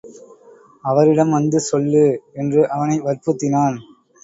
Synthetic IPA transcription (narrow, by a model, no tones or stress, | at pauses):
ɐʋɐɾɪɽɐmʋɐnd̪ɯsɔlːɯɛndrɯʔɐʋɐnɐɪʋɐɾpɯt̪ːɪnaːn